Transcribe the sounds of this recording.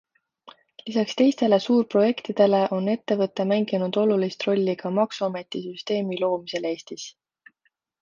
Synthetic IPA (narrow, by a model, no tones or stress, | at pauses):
lisɑkst̪e̞jst̪e̞le̞suːrpro̞je̞kt̪id̪̥e̞le̞ʔo̞ne̞t̪ːe̞vɤt̪ːˑe̞mæŋɡ̥inud̪̥o̞lulist̪ro̞lʲːiɡ̥ɑmɑksuɑme̞t̪ːˑisyst̪e̞ːmilo̞ːmise̞le̞ːst̪is